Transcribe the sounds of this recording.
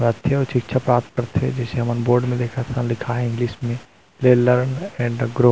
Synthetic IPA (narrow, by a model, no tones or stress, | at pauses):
at̪ʰeɔːɾt͡ʃɪkt͡ʃʰapɾaːpt̪̚kəɾt̪ɦɛ̰d͡ʒɛːseɦɐmənboːɾɖmẽd̪eːkʰat̪ʰanlɪkʰaɦɛɪ̃ŋɡliːsmẽ | leːlːəɾnɛ̃ːɳɖɡɾoː